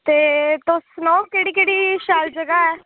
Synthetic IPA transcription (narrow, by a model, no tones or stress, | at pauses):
t̪eːt̪osnɔːkeːɽiːkeːɽiːʃaːld͡ʒəɡaɛː